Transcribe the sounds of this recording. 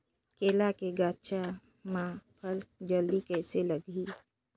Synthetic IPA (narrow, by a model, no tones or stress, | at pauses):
keːlakeɡaːt͡ʃʰa | mãpʰəlk̚d͡ʒəld̪ikɛɪseləɡi